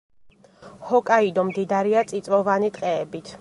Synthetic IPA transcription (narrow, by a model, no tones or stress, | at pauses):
hɔkʼaid̪ɔmd̪id̪aɾiat̪sʼit̪sʼvɔvanit̪ʼqʼɛːbit̪ʰ